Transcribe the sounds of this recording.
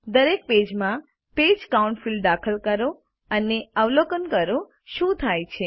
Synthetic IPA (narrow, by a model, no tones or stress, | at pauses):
d̪əɾek̚ped͡ʒmã | ped͡ʒkauɳʈfild̪akʰəlkəɾo | əneəʋlokənkəɾo | ʃũt̪ʰajt͡ʃʰe